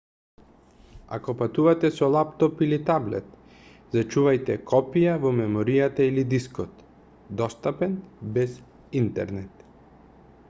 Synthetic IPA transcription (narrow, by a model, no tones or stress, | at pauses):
a̰kɔpat̪uvat̪ɛsɔlˠapt̪ɔpilit̪ablɛ̰t̪ | zat͡ʃuvajt̪ɛkʰɔpijavɔmɛmɔɾijat̪ailid̪iskɔt̪ | d̪ɔst̪apɛnbɛz | int̪ɛ̰ɾnɛt̪